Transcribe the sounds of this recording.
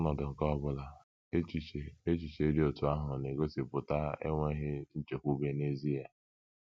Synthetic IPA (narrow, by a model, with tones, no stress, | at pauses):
nɔ˨dʊ˨ŋ̩˨kɔ˦bʊ˦la˦ | e˦t͡ʃi˦e˨e˦t͡ʃi˨t͡ʃe˨˦i˦di˦o˨tʊ˨a˦ɦʊ˨ne˨ɡo˦si˨pʊ˨ta˦ḛ˦ŋʷe˦ɦɪ˦n̩˦t͡ʃe˨kʷu˦be˦ne˦zi˦ja˦